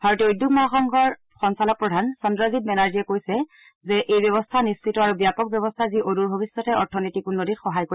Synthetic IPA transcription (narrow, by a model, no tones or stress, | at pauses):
bʱaɹɔtiojdukmaaxɔŋɡʱɔɹ | xɔnsalɔk̚pɹɔdʱansɔndɹaɡitmɛnaɹzijɛkojsɛ | zɛʔejbɔβɔstʰanispitɔaɹubjapɔk̚bjɔbɔstʰaziʔoduɹbʱobisːɔtɛɔɹtʰɔnitikunːoditxɔɦajko